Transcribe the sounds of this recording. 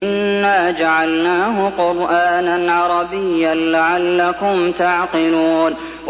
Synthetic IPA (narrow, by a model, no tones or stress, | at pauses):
ɪnːaːd͡ʒaʕalnaːɦʊqʊɾʔaːnanʕɑɾˤɑbɪjːalaʕalːakʊmt̪aʕqɪluːn | w